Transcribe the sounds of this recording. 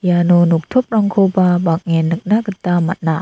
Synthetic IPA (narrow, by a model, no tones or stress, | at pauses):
jaːnuːnuk̚t̪ʰup̚ɾaŋkʰoːbaːbaːk̚ŋɛːnːɯk̚naːkat̪aːmat̪̚na̰